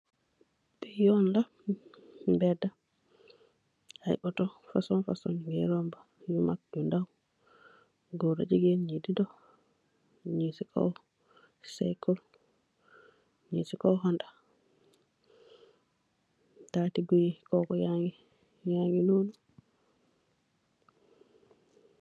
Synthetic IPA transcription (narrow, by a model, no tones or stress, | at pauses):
bijɔnla | bɛda | ajʔɔtɔfasɔnfasɔ̰nɡɛɾɔmba | jumak̚dundaw | ɡɔɾa̰d͡ʒiɡeɲididɔ | ɲisikʰɔ̰w | sa̰jkɔl | ɲisikɔwɦɔnda | tatiɡujikɔkɔjaŋi | jaŋinonu